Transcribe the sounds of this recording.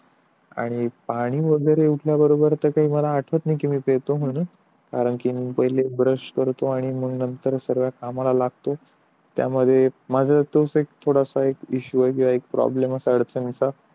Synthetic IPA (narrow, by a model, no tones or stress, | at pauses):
a̰ɽ̃ipaɽ̃iːʋəɡəjɾeuʈʰljabəɾobəɾt̪əkaɦiːməlaːʈʰʋət̪niːkimiːpeɭt̪oɦun | kaɾəɳkimiːpəɦilebɾəʂkəɾt̪oaɽ̃iməɡnənt̪əɾsəɾʋjakamalalaɡt̪o | t̪ja̰məd̪ʱːjemad͡zʱat̪osekt̪ʰoɽasaekiɕuəjk̬ĩw̃ʋaek̚pɾɔ̰blemasəɽt͡sənt͡sa